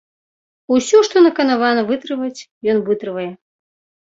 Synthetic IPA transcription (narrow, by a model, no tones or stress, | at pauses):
usʲɔʂt̪ɔnɐkɐnavanɐvɨt̪ɾɨvɐt͡sʲjɔnvɨt̪ɾɨvɐjɛ